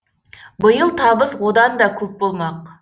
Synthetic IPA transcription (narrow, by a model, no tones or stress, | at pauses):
bəjəlˠt̪ʰɑbəswod̪ɑnd̪ɑkʲʰɵp̚bolˠmɑq